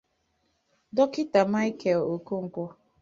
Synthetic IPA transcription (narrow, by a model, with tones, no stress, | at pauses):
dɔ˦kɪ˦ta˨ma˦i˦ke˨lo˨ku˦ŋ̩˨kʷʊ˦